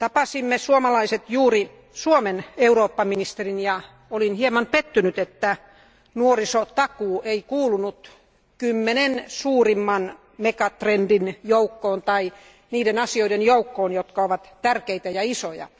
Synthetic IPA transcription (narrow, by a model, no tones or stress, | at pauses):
t̪ɑpɑsimːesuomɑlɑiset̪juːri | suomeneuroːpːɑminist̪erinjɑ | olinhiemɑmpet̪ːynyt̪et̪ːæ | nuorisot̪ɑkuːʔeikuːlunut̪ | kymːenensuːrimːɑn | mekɑt̪rendinjoukːoːnt̪ɑi | niːdenɑsioidenjoukːoːnjot̪kɑoʋɑt̪t̪ærkeit̪æjɑisojɑ̰